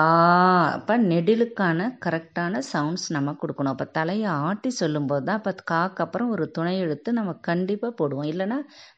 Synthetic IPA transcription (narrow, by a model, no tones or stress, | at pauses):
aːɐ̰pːoːnɛɽɪlɯkːaːnɐkɐɾɛk̚ʈaːnɐsɐʊɳɖsnɐmːɐkɔɽɯkːɐɳʊ̃ːɐpːɐːt̪ɐlɐjɐaːʈːisɔlːɯmpoːðɯðãːɐpːɐðɯkaːkːɐpːɯɾɐ̃ɔɾɯt̪ʊɳɐɪɛɽɯt̪ːɯnɐmːɐkɐɳɖɪpːaːpoːɽɯʋõɪlːɐnːaː